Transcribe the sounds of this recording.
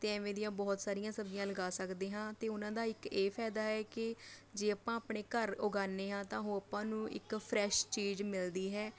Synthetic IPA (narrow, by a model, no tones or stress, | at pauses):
t̪eːɛːʋẽːd̪ijãːbɔːt̪saːɾijãːsəbd͡ʒjãːləɡaːsəkd̪eːɦãːt̪eːʊnãːd̪aːɪkeːpʰɛːd̪aːɦɛːkɪd͡ʒeːəpãːapɳeːkəɾʊɡaːneːɦãːt̪ãːɦõːəpãːnũːʔɪ̰kpʰɾɛːʃt͡ʃiːd͡ʒmɪld̪iːɦɛː